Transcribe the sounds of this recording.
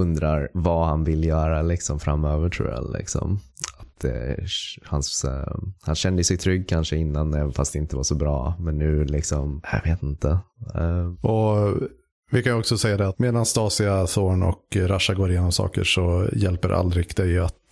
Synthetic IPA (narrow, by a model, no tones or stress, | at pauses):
ɵnd̪ɾaɾvahanvɪlːjœːɾalɪksɔmfɾamːøːvəʈʰɾṵːja̰lɪ̰ksɔ̰mat̪̚d̪ɛ̰ | hans | hanɕɛnd̪əsɛjt̪ʰɾʏɡːkʰanʂəɪnːanɛvnfast̪d̪ɛɪnt̪əvaʂɔbɾɑːmɛnːʉ̟ːlɪksɔmja̰veːt̪ɪnt̪ə | ʔɔ | vɪkʰanjɔksɔsɛjːad̪ɛat̪meːd̪anst̪ɑːsɪasoːnɔ̰kɾaʂaɡoːɾɪjeːnɔmsɑ̰ːkə̰ʂɔjɛlpəɾʔa̰ld̪ɾɪɡd̪ɛjat̪